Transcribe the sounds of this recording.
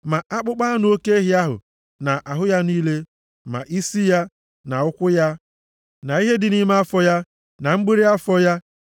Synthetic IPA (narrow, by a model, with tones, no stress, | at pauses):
ma˨ʔa˦k͡pʊ˦k͡pa˦nʊ˨˦o˦ke˦ɦɪ˦a˦ɦʊ̰˨ | na˨ʔa˨ɦʊ˦ja˦niː˦le˦ | ma̰˨ʔi˦si˦ja˦ | na˨ʊ˦kʷʊ˦ja˦ | na˨i˦ɦe˦dɪ˨ni˦m˦a˦fɔ˦ja˦ | na˨ŋ͡m̩˦ɡ͡bi˦ɾi˦a˦fɔ˦ja˦